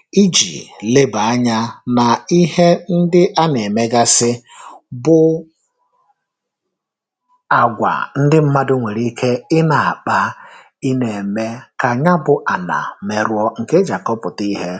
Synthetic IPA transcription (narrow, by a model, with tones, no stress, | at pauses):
i˦d͡ʒḭ˨le˦ba˨a˦ɲa˦na˨i˦he˦n̩˦dɪ˦ʔa˦ne˨me˦ɡa˦sɪ˦bʊ˦ | a˨ɡʷa̰˨n̩˦dɪ˦m̩˦ma˦dʊ˦ŋʷe˨ɾi˦kʰe˦ɪ˦na˨a˨k͡pa˦ | i˦ne˨me˦ka˨ɲa˦bʊ˨ʔa˨na̰˨me˨ɾʊ˦ɔ˦ŋ̩˨ke˦d͡ʒa˨kɔ˦pʊ˨ti˦ɦe˦